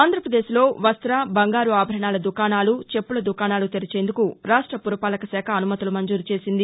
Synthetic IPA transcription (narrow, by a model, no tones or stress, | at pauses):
aːnd̪ʱɾɐpɾɐd̪e̞ːsilo̞ːʋɐst̪ɾabɐŋɡaːɾuaːbʱɐɾɐɳaːlɐd̪ukaːnaːlut͡ʃe̞pːulɐd̪ukaːnaːlut̪eɾit͡ʃe̞ːnd̪ukuɾaːʂʈɾɐpuɾɐpaːlɐkɐsɛːkʰɐːnumɐt̪ɐlumɐɲd͡ʒuːɾit͡ʃe̞ːsind̪i